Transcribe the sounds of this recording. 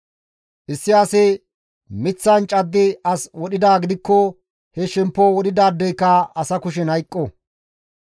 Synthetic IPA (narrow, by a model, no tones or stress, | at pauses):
ʔɪsːɪɐsɪ | mɪt͡sːɐnt͡ʃʼɐd̪ːɪɐswɔɗɪd̪aːɡɪd̪ɪkːɔ | hɛʃɛmpːoːwɔɗɪd̪aːd̪ːɛjkːɐɐsɐkʊʃ̬ɛnɐjkʼːɔ